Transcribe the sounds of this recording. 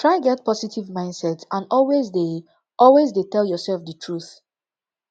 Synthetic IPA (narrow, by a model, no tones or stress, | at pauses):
tʰɹaɪɡɛt̚pʰɔsitʰivmãɪ̃ndsɛtsãnɔlwezde | ʔɔlwezdetɛljɔsɛlfdətʰɹuθ